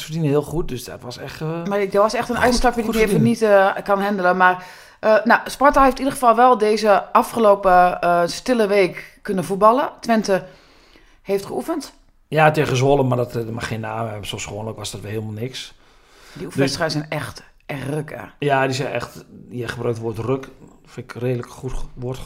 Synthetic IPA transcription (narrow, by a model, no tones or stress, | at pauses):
sfərdinəhiəlˠxut̚døsdɔ̰tʋɔsɛxtmadɔʋɔsɛxtənɛjstɔpfjdimɪfənitkɔnhɛndələmar | ʔənawspɔrtaheftidərɣəfalˠʋɛlˠdeːzəʔafxəloːpəstɪlˠəʋeːkːønəfut̚bɑlˠətʋɛntə | heːftχəufənt | jaətɪɣəzʋolˠəmardɔtmaxeənaːmɛsosxoənləkʋɔsdɔtʋɛlˠhiːlˠmalˠnɪks | diufdɛstə̥xajsɛnɛxt | ɛxrøkə̰jadisɛjnɛ̰xtjɛjχəbrøːktʋotrøk | fɪkreːdələkxutʋot